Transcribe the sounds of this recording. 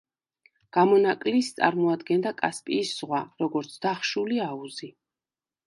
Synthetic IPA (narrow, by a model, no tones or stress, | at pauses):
ɡ̥amɔnakʼlist̪sʼa̰ɾmɔad̪ɡɛnd̪akʼaspʼiːsz̥ʁwaɾɔɡɔɾt̪sʰd̪aχʃuliauzi